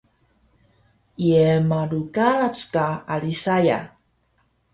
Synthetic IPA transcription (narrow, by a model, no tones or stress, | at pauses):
iemaɾukaɾat͡skaaɾisaja̰